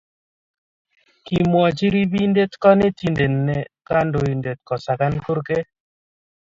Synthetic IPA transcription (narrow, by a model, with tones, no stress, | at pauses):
ki˨mwɔ˨t͡ʃi˦ɾi˦bi˦nde˦t̪kɔ˦ne˦ti˨nde˨nːɛ˨ka˦ndo˨i˨nde˨t̪̚kɔ˨sa˨ka˦nko˦ɾke˦